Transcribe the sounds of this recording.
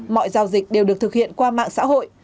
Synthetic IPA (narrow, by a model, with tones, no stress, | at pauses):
mɔ̰˧˨jzaː˨˩wzï˨˩k̟̚ɗe˨˩wɗɨ˨˩ək̚t̪ʰɨ˨˩k̚hḭ˧˨ənkwaː˧ma̰ː˧˨ŋsa̰ː˧˥ɦo̰˧˨j